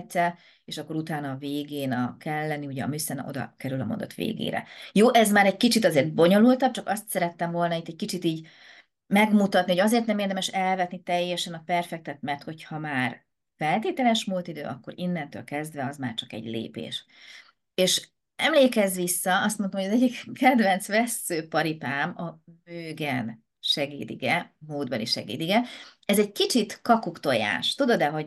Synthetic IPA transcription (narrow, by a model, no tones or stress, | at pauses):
tsɛ | eːʃɒkːo̞ɾut̪aːnɒːveːɡeːnɒkɛlːɛniuɟɛɒ̰mysɛnɛ̰ʔo̞d̪ɒ̰kɛɾylɒmo̞̰nd̪ɒ̰t̪ʋḛːɡḛːɾɛ̰joːʔɛzmaːɾɛɟkit͡ʃit̪ɒzeːrd̪̚bo̞ɲo̞lult̪ɒb̚t͡ʃɒkɒst̪sɛɾɛt̪ːɛɱvo̞lnɒit̪ːɛckit͡ʃit̪iːɟ | mɛɡmut̪ɒt̪niho̞jɒzeːrt̪nɛmeːrd̪ɛmɛʃɛlvɛt̪nit̪ɛjːɛʃɛnɒpɛrfɛk̚t̪ɛt̪mɛrt̪ho̞chɒmaːr | fɛlt̪eːt̪ɛlɛʃmult̪id̪ø̰ːʔɒkːo̞̰ɾinːɛnt̪ø̰ːlkɛzd̪vɛɒzma̰ːrt͡ʃɒkɛ̰ɟlḛːpḛːʃ | eːʃ | ɛmleːkɛzʋisːɒɒst̪mo̞nt̪omhojɒzɛɟːikʰːɛd̪vɛnt̪sʋɛsːøːpɒɾipaːmɒmøːɡɛn | ʃɛɡḭːd̪ḭɡɛmoːd̪bɒliʃɛ̰ɡḭːd̪iɡɛɛzɛɟkit͡ʃit̪kɒkukt̪o̞ja̰ːʃt̪ud̪od̪ɛɦo̞ɟ